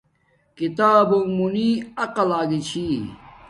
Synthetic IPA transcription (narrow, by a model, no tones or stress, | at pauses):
kit̪aːbumuniːɐqɐlaːɡit͡ɕʰi